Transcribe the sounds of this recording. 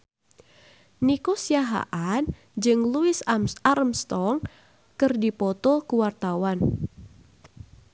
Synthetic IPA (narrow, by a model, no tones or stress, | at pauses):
nikosijaɦa̰ʔan | d͡ʒɨŋluɪsaɾəmst̪ɔŋ | kɨrdipɔt̪ɔkuwart̪awan